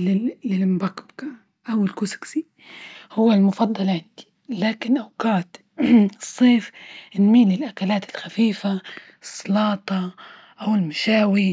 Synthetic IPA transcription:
lːɪlmbakka | ʔawɪlkuːsḁksi | hʊwːalmʊfɑd̪ˤːɑlʕɪnd̪̥i̥ | laːkɪnʔawkaːt̪ | ɨsˤːeːfɪnmiːlɪlʔakalaːt̪ɪlxafiːfa | ɨsˤːɑlɑːt̪ˤɑ | ʔawɪlmaʃaːwi

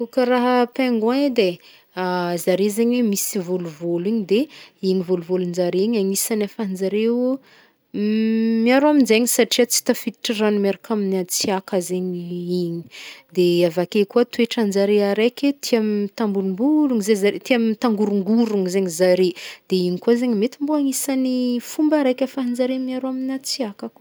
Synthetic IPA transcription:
kukəraɦəpeŋɡad̪e | azaɾezeɲwemisivoluvoliɲid̪eiɲivoluvolund͡ʒaɾeiɲaɲisanafand͡zaɾe | miaɾoaminzeɲisaʈ͡ʂiat͡si̥t̪afit̪i̥ʈ͡ʂiranumaɾakaminat͡siakazeɲiiɲi̥d̪eavakekuət̪ueʈ͡ʂand͡zaɾeaɾeket̪ʰiamit̪ambunumbuluŋizezaɾet̪iamit̪aŋɡuɾuŋɡuɾuŋizeŋizaɾed̪̥eiɲikuazeɲimet̪imboaŋisanifumbaɾekʲafaɦind͡zaɾemiaɾoaminat͡siakaku̥

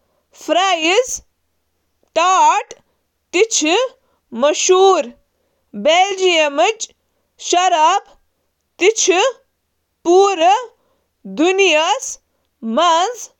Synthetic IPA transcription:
fʰɾaːjiz | ʈaːʈ | t̪it͡ʃʰi | mɐʃuːɾ | beld͡ʒijɐmɨt͡ʃ | ʃɐɾaːb | t̪it͡ʃʰi | puːɾə | d̪unijas | mɐnz

